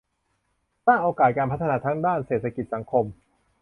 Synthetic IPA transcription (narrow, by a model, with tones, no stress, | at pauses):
t̪aː˥˩ŋʔoː˧kaː˨˩t̪̚kaː˧npʰt̪ʰːnaː˧t̪ʰaː˦˥ŋdaː˥˩nseː˨˩t̪ʰːa˧ki˨˩t̪̚sa˩˦ŋkʰo˧m